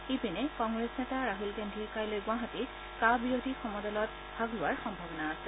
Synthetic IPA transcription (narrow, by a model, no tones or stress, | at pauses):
ipinɛkɔŋɡɹesnetaɹaɦilɡendʱikajlojɡwaɦati | kabijodʱixɔmɔdɔlɔt̚ | b̥ʱaɡlʊaɹxɔmbʱɔbɔnaːsɛ̥